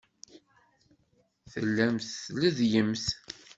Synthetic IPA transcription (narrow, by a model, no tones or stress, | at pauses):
θəlːæmθləðjəmθ